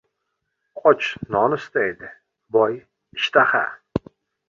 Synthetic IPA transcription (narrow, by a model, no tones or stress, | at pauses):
qʼɔt͡ʃʰnɒnɨst̪ajd̪ɪ | bɒj | ɪʃt̪ʰaχa̰